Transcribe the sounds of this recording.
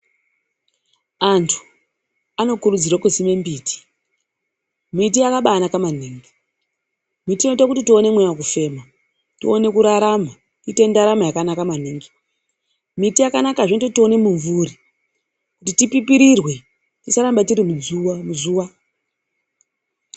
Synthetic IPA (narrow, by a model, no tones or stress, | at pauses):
antʰu̥ | ano̞kuɾud͡zirwakuzime̞mbiːti̥ | mit̬iakaɓaːnakaman̤iːŋɡi | mitino̞itakutitio̞ne̞mwejawak̬ufe̞ma | tione̞kuɾaɾama | tite̞ndaɾamajakanakaman̤iŋɡi̥ | mitijakanakaʐentotio̞ne̞muɱvuɾi | kutitipipiɾirwe̞ | tisaɾambatiɾimud͡zuamuzuːʋa